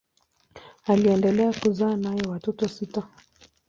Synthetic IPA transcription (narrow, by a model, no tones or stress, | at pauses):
aliɛndɛlɛakuzaːnajɛwatɔtɔsita